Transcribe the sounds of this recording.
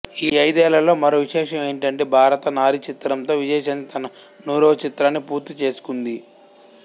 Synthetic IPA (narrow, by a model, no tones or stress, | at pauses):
iːɐjd̪ɛːlɐlo̞ːmɐɾoːʋiʃɛːʂɐme̞ːɳʈɐɳʈeːbʱaːɾɐt̪ɐnaːɾit͡ʃit̪ɾɐmt̪o̞ːʋid͡ʒɛːʃɐnːit̪ʰɐnɐnuːɾoːt͡ʃit̪ɾaːnːipuːɾt̪ːit͡ʃe̞ːsu̥kund̪i